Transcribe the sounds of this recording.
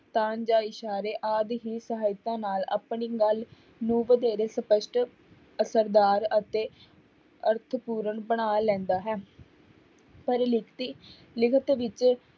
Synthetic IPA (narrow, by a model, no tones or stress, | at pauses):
t̪aːnd͡ʒaːɪʃaːɾeːʔaːd̪ɦiːsəɦaːɪt̪ãːnaːla̰ːpɳiːɡəl | nũːʋəd̪ɛːɾeːsəpəʃʈ | əsəɾd̪aːɾət̪eː | əɾt̪ʰpuːɾəɳbəɽaːlɛ̃ːnd̪aːɦɛː | pəɾlɪkʰt̪iː | lɪkʰət̪ʋɪt͡ʃ